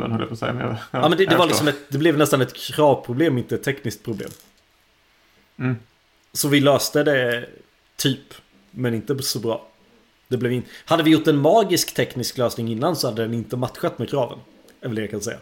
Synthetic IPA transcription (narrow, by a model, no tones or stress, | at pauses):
ɛ̰nɔ̰l̰ːpʰːsɛ̰jamḛɑːmɛnd̪ɛd̪ɛvaɾlɪksɔmɛt̪d̪ɛblɛvnɛst̪anɛt̪kʰɾɑːvpʰɾʊbleːmɪnt̪əɛt̪ʰːɛknɪskt̪pʰɾʊblḛːm | sɔvɪløːst̪əd̪ɛ | t̪ʰyːp | mɛnɪnt̪əsɔbɾɑ̰ː | d̪̥ɛblɛvɪnt̪had̪ːəvɪjʊʈːɛnmɑːɡɪskt̪ʰɛknɪskløːsnɪŋɪnːansɔhad̪ːəd̪ɛnɪnt̪əmat̪ɧat̪ːmɛːkʰɾɑːvə̰n | ɛlvəlːɛkʰansɛjːa̰